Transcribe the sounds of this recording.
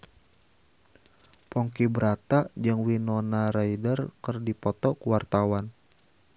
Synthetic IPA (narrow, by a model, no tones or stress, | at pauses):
pɔŋkibəɾat̪aʔd͡ʒɨŋwinɔnaɾaidərkərdipɔt̪ɔkuwart̪awan